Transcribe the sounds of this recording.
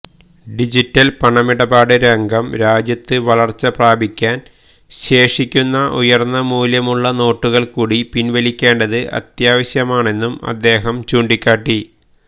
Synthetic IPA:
ɖid͡ʑitːɐlpɐɳɐmiɽɐbaːɽɨɾɐŋɡɐmɾaːd͡ʑjɐt̪ːɨʋɐɭɐrt͡ɕːɐpraːbʱikʲːaːn | ɕe̞ːʂikʲːunːɐʔṵjɐrnːɐmuːljɐmuɭːɐno̞ːʈːuɣɐɭkuːɽipinʋɐlikʲːe̞ːɳɖɐðɨʔɐ̰t̪jaːʋɐɕjɐmaːɳe̞nːumɐ̰d̪ːe̞ːɦɐmt͡ɕuːɳɖikʲːaːʈːi

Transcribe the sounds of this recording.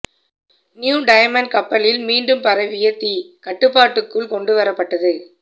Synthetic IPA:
njuːɖɐjɐmɐnɖ̚kɐpːɐlɪlmiːnɖɯmpɐɾɐʋɪjɐt̪ːikɐʈːɯpːaːʈːɯkːɯɭkɔɳɖɯʋɐɾɐpːɐʈːɐðɯ

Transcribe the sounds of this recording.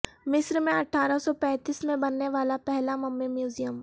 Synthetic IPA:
mɪsɾmẽɐʈʰːaːɾəsɔpɛ̃ːt̪iːsmẽbɐnːeʋaːlapɛɦlamɐmːemjuːzijəm

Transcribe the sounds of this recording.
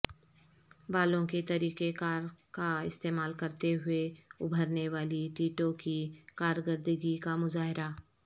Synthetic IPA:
baːlõket̪ɐɾiːqekaːɾkaɪst̪eːmaːlkɐɾt̪eɦʊeʊbʱəɾneʋaːliʈiːʈõkikaːɾɡəɾd̪əɡikamʊzaːɦɪɾa

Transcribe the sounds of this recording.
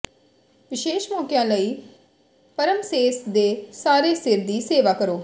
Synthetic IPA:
ʋɪʃeːʃmɔːkjãːləiː | pəɾəmseːsd̪eːsaːɾeːsɪɾd̪iːseːʋaːkəɾoː

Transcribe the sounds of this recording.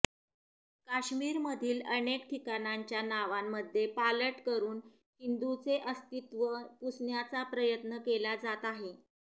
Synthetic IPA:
kaɕmiːɾməd̪ʱiːlənekʈʰikanaɲt͡ɕjanaʋamːəd̪ʱːjepaləʈkəɾuːn | hind̪ut͡seʔəst̪it̪ʋəpusɳjat͡sapɾəjət̪nəkelad͡zat̪aɦe

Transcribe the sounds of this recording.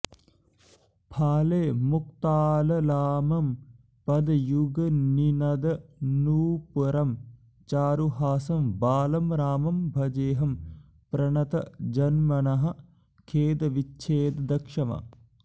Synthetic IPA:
pʰaːleːmuk̚t̪aːlɐlaːmɐm | pɐd̪juɡɐninɐd̪ɐnuːpuɾɐm | t͡ʃaːɾuɦaːsɐmbaːlɐmɾaːmɐmbʱɐd͡ʒeːɦɐm | pɾɐɳɐt̪ɐ̰d͡ʒɐnmɐnɐɦɐ̆ | kʰeːd̪ɐʋitːt͡ʃʰeːd̪d̪ɐkʂɐmɐ̰

